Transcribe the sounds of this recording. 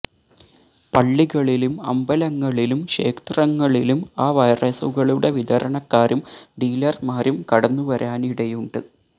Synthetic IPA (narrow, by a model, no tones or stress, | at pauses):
pɐɭːiɣɐɭilumɐ̰mbɐlɐŋːɐɭilumʂe̞̰ːkt̪rɐŋːɐɭilumaːʋɐjrɐsṵɣɐɭuɽe̞ʋid̪ɐɾɐɳɐkːaːɾumɖiːlɐrmaːɾumkɐɽɐnːuʋɐɾaːniɽejuɳɖɨ